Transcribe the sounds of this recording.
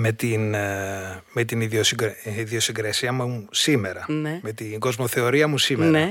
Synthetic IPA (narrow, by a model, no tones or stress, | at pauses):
me̞t̪in | met̪iniðiosiɡɾeiðiosiŋɡɾesiɐmusime̞ɾɐneme̞t̪iŋɡo̞zmo̞θe̞o̞ɾiɐmusimenɐe